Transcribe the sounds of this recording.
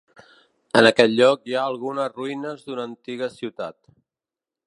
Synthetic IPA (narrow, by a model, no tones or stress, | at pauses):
ənəkɛt̪ʎɔkjaəlˠɣ̞unəzruinəzðunəːnt̪iɣəsiwt̪at̪